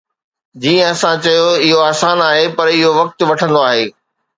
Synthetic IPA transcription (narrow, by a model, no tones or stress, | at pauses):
d͡ʑiːə̃ɐsãt͡ɕɐjoɪɦoaːsaːnaːɦepɐɾɪɦoʋɐk̚t̪̆ʋɐʈʰə̃nd̪oaːɦeː